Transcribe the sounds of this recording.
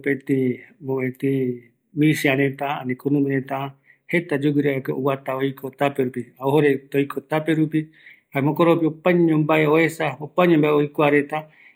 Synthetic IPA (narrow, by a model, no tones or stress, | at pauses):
pet̪imboet̪ĩ | mĩsiãɾet̪aanĩkonũmĩɾet̪a | het̪ad͡ʒuɡiɾaekeowat̪aojkʰot̪apeɾupiaohoɾet̪ojkʰot̪apeɾupi | haemõkoɾopiopãɲɲõmbaeoesaopãɲẽmbaeojkʷaɾet̪a